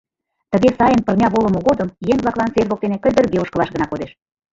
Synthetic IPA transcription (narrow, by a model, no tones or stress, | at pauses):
t̪ə̆ɣesɑjənpə̆rmʲɑβolɤ̆moɣod̪əmjeŋβlɑklˠɑnt͡serβok̚t̪enekə̆lʲd̪ə̆rɣeoʃkəlɑʃɣə̆nɑkod̪eʃ